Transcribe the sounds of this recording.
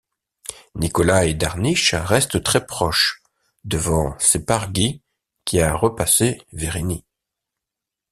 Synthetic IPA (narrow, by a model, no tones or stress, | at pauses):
nikɔlaed̪aʁniʃʁɛst̪t̪χɛpχɔʃ | d̪əvɑ̃sepaʁɡʲi | kʲiaʁəpaseveʁeni